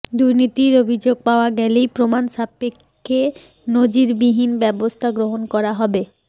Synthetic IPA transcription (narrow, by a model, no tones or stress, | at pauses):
d̪uɾnit̪iɾobʱid͡ʑoɡ̚paoaɡɛlejpɾomanʃapːekʰːe | nod͡ʑiɾbiɦinbɛbost̪ʰaɡɾoɦonkɔɾaɦɔbe